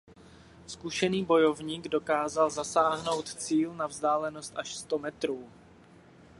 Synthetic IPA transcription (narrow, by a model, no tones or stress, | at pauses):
skuʃɛniːbo̞jo̞vɲiːɡdo̞kaːzalzasaːɦno̞wt̪t͡siːlnavzdaːlɛno̞st̪ʔaʃst̪o̞mɛt̪ɾuː